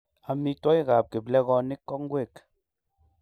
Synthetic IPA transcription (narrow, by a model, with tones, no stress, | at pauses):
a˨mi˦tɔ˦i˦ɣa˨p̚ke˨blɛ˦ɣɔ˦ni˦kːɔ˦kŋ̩˦ɡwe˦˨k